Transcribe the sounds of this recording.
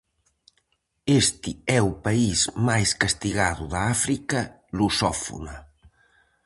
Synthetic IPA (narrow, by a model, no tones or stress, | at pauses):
est̪iɛupaizmajskɐst̪iɣaðuðaafɾikɐ | lusɔfṵna